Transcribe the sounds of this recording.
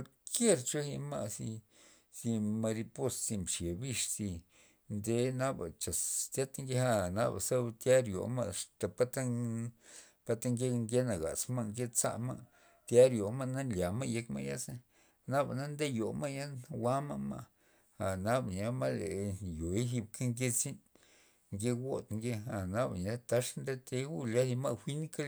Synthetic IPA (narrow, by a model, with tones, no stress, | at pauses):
o˧ɾ | kje˦ɾt͡ʃo˦hi˧ma˦˧si˧ | si˧ma˧ɾi˧po˧ssi˧mʃe˨bi˦ʂsi˧ | nd̪e˧na˦ba̰˨t͡ʃa˨st̪ʲa˦t̪ŋɡe˦ha˦˨na̰˦ba˨sa˦bt̪ja˦ɾjo̰˨ma̰˦˧ʂt̪a˨pa˦t̪a˦ŋ | pa˦t̪a˦ŋɡe˦˧ŋɡe˦na˨ɡa̰˨sma˦˧ŋɡe˦t͡sa̰˦ma̰˦ | t̪ja˦ɾjo˨ma˦˧na˦lja˨ma˦je˧kma̰˦ja˦sa˦ | na˦ba˨na˦nd̪e˦jo˨ma˦ja˦wa˦ma˦ma̰˦˧ | a˨na˦bɲa˦ma˦lḛ˨jo˨i˦ɦi˧b̚ka˦ŋɡʲe˦t͡si˦n | ŋɡe˦wo˦t̪ŋɡe˦a˨na˦ba˨na˦t̪a˧˦ʂnd̪e˦t̪e˧˦u˦lja˦dma˦˧wʷi˦n˦ka˦